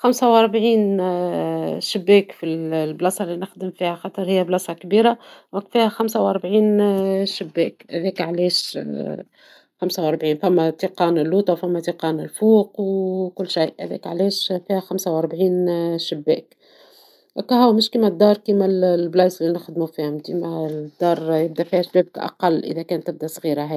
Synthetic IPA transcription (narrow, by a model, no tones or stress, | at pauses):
xamsæwʔɑɾˤbʕiːn | ʃɪbːɛːkfiblɑsˤɑlːinɪxd̪əmfiːhæxɑt̪ˤəɾˤhɪjːæblɑsˤɑkbiːɾawækːfiːhæxæmsæwʔɑɾˤbʕiːnʃɪbːɛːkhæ̰ðɛːkʕlɛːʃ | xamsawʔɑɾˤbʕiːnfæmːæt̪iqɑːnɪlːuːt̪ˤɑwfæmːæt̪iqɑːnɪlfuːqwkʊlːʃajʔhæ̰ðɛ̰ːkʕlɛːʃfiːhæxamsawʔɑɾˤbʕiːnʃɪbːɛ̰ːk | ʔkɑhʊwmɪʃkiːmæd̪ːɑːɾˤkiːmælblɑːzlinɪxd̪mufiːhʊmd̪imæd̪̥ːɑːɾˤjɪb̚d̪æfiːhæʃbæːbkʔɑ̰qɑlːʔɪ̰ðækæːnt̪ːɪb̚d̪æsˤɣiːɾaɦæː